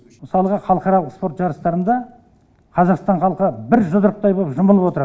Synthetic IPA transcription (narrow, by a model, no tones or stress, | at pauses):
məsɑlˠəʁəχɑlˠəqɑɾɑlˠəqspo̞ɾt̪ʒɑɾəst̪ɑɾənd̪ɑ | qʰɑzɑqst̪ɑɴχɑlˠqbɪɾʒʊd̪əɾəq̚t̪ɑjbopʒəməlˠəpwot̪əɾɑ